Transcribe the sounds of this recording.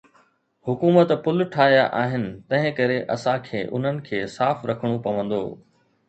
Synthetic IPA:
hʊkuːmət̪pʊlʈʰaːɦijaʔaːɦɪnɪ̆t̪ɐ̃ɦɪ̃kɐɾeʔɐsãkʰeːʔʊ̰n̤ənɪ̆kʰeːsaːfɾɐkʰəɽ̃opɐʋə̃nd̪o̰ː

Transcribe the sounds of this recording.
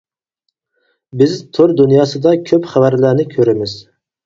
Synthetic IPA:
bɪzt̪ʰoɾd̪unjɑːsɨd̪ɑkʲʰøpχævæɾlænɪkʲʰøɾɪmɪz̥

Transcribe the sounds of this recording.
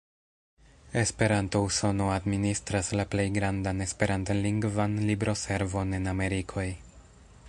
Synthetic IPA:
e̞spe̞ɾanto̞uso̞no̞administɾaslaple̞jɡɾandane̞spe̞ɾantoliŋɡvanlibɾʔo̞se̞ɾvo̞ne̞name̞ɾikʰo̞j

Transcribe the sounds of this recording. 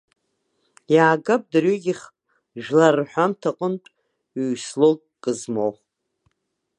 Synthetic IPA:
jaːɡap̚ʼdɨriɡʲiχ | ʒlarħʷamtʰaqʼəmtʼ | ɥslotʼ | kʼɨzmoχ

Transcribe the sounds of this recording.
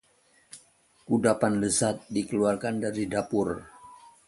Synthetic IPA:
kudapanləsat̪̚dikəluarkandaɾidapʊr

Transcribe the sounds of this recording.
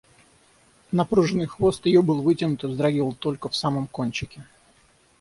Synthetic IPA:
nɐpɾuʐɨnɨjxvo̞st̪jɪjobɨlˠvɨtʲɪnʊt̪ɨzd̪ɾɐɡʲilˠt̪o̞lʲkəfsaməmkonʲt͡ɕɪkʲɪ

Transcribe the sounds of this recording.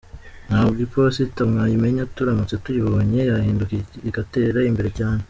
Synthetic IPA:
n̥haːbɡipositamŋaːjimeɲatuɾamut͡se̞tuiβooɲe̞jahiːndukiiɡate̞ɾaimbe̞ɾe̞caːne

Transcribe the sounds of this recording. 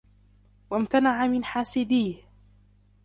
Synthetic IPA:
wamt̪anaʕamɪnħaːsɪd̪iːh

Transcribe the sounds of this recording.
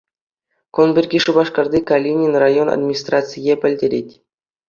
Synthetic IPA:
konbʲerʲɡʲiʂubɑʂkɑrd̪ʲikalʲinʲinʲrajona̰d̪mʲinʲist̪rat͡sɨjepʲɘ̆lʲdʲeɾʲetʲ

